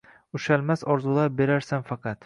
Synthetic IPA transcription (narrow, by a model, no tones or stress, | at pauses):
ʊʃalmasɒɾzulˠɑp̚beɾaɾsanfɑqɑt̪